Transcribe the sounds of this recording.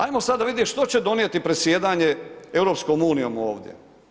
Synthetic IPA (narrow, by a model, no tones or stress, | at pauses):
ajmo̞sad̪d̪ːaʋid̪jeʃt̪o̞t͡ɕed̪o̞nijet̪ipɾesjeːd̪aːɲe̞e̞wɾo̞ːpsko̞muːnijo̞muoːʋd̪jḛ